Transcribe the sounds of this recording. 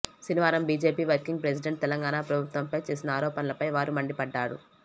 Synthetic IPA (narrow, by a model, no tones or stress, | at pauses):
ʃiniʋaːɾɐmbiːd͡ʒeːpiːʋɐɾkiŋɡ̚pɾes̬iɖeɳʈ̚t̪ɛlɐŋɡaːnaːpɾɐbʱut̪ʋɐmpɐjt͡ʃe̞ːsinɐaːɾɔːpɐnɐlɐpɐjʋaːɾumɐɳɖipɐɖːaːɽṵ